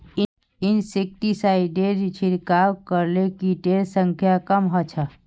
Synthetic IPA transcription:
ɪnsɪk̚ʈisaːiɖeɾt͡ʃʰɪɾkaːɾkəɾlekiʈeːlsə̃ŋkʰjakəmɦat͡ʃʰa

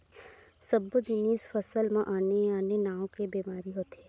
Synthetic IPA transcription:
səbd͡ʒɪniːsfəsəlmãʔaːneaːnenaːõkebeːmaːɾiɦoːt̪iɛː

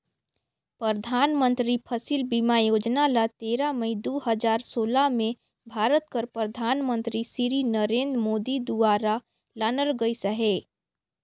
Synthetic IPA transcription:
pɾəd̪ʱaːnmə̃nt̪ɾipʰəsilbimajoːd͡ʒnalat̪eːɾaməid̪oːɦəd͡ʒaːɾsoːlamẽ | bʱaːɾət̪̚kəɾpɾəd̪ʱaːnmə̃nt̪ɾisiɾinəɾẽːnd̪ɾmoːd̪id̪uaːɾa | laːnəlɡəisəɦe

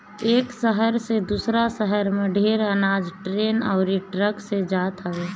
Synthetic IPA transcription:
eːksəɦəɾsed̪uːsɾasəɦəɾmẽɖʱeːɾənaːd͡ʒʈɾeːnɔːɾiʈɾəksed͡ʒaːt̪ɦəʋeː

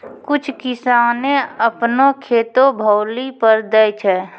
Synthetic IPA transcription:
kʊt͡ʃʰkɪsaːnẽəpnokʰeːt̪obʱəʊlipəɾd̪əjt͡ʃʰɛː

